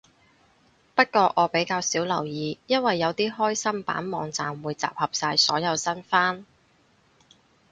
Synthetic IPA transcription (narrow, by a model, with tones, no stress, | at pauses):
pɐ˥t̚kɔː˧ʔɔː˨˧pe˨˥jkaː˧wsiː˨˥wlɐ˨˩wjiː˨˧jɐ˥nwɐ˨jːɐ˨˧wt̪iː˥ɦɔː˥jsɐ˥mpa̰ː˨˥nmɔː˨˧ŋt͡saː˨mwuː˨˧jt͡sa̰ː˨p̚hɐ˨p̚saː˧jsɔː˨˥jɐ˨˧wsɐ˥nfaː˥n